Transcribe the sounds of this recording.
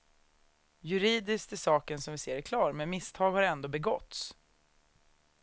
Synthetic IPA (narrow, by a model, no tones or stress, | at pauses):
jɵɾiːd̪ɪskt̪ɪsɑːkənsɔmvɪseːɾækʰlɑːɾmɛnmɪst̪ʰɑːɡhaɾɛnd̪oːbɛɡɔt̪s